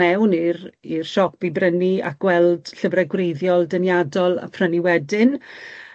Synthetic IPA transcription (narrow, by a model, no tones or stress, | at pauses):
ɛwnirir̥ʃɔk̚b̥ibrənia̰k̚ɡ̥wɛlˠd̥ɬəvrɛɡwrejðjɔlˠdənjadɔlˠa̰pʰrəniwɛdɪn